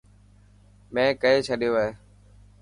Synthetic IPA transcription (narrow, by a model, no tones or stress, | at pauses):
mɛ̃ːkəeːt͡ʃʰəɗijoːɦeː